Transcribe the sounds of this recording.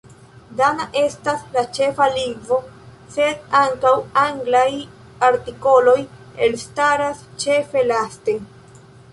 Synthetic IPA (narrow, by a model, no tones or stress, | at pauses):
danaʔe̞staslat͡ʃe̞faliŋɡvo̞ | se̞daŋkawaŋɡlaj | aɾtiko̞lo̞j | elstaɾast͡ʃe̞fe̞laste̞